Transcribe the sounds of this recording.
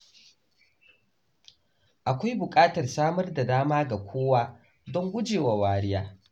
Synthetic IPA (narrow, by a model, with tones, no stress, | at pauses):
ʔa˨kʷa˦jbʊ˨kʼaː˦tɐ˨rsaː˦mɐ˦rda˨daː˦maː˦ɡa˨kʷoː˦waː˦ | dɔ˦ŋɡʷʊ˦d͡ʒeː˨wa˨waː˦ɾɪ˦jaː˦